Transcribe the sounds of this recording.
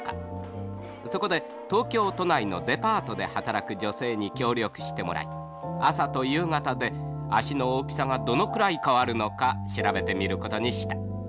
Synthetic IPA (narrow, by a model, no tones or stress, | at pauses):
ka | so̞ko̞d̪e̞ | t̪o̞ːkʲo̞ːt̪o̞naino̞̰d̪e̞paːt̪o̞d̪e̞hat̪aɾakɯ̟d͡ʑo̞se̞ːɲ̟ikʲo̞ːɾʲo̞kɯ̟̥ɕi̥t̪e̞mo̞̰ɾa̰i | asat̪o̞jɯ̟ːŋat̪ad̪e̞ | aɕino̞oːpʲi̥saŋad̪o̞no̞kɯ̟ɾaikaβaɾɯ̟no̞kaɕiɾabe̞t̪e̞mʲiɾɯ̟ko̞t̪o̞ɲ̟iɕi̥t̪ḁ